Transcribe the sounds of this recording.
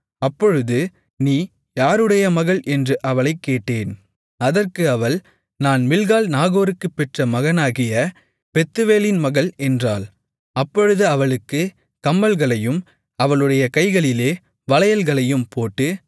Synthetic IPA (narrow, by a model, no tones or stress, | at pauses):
ɐpːɔɻɯðɯ | niː | jaːɾɯɽɐjɐmɐɣɐɭʔɛndrɯʔɐʋɐɭɐɪkːeːʈːeːn | ɐðɐrkɯɐʋɐɭ | naːnmɪlɣaːlnaːɣoːɾɯkːɯpːɛʈrɐmɐɣɐnaːɣɪjɐ | pɛt̪ːɯʋeːlɪnmɐɣɐɭɛndraːl | ɐpːɔɻɯðɯɐʋɐɭɯkːɯ | kɐmːɐlɣɐɭɐjɯm | ɐʋɐɭɯɽɐjɐkɐɪɣɐɭɪleː | ʋɐlɐjɐlɣɐɭɐjɯmpoːʈːɯ